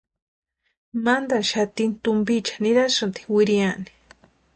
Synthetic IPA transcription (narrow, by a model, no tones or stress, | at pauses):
mand̪aʃat̪int̪ʊmbit͡ʃḁnɪɾasʊnt̪i̥wɪɾijani̥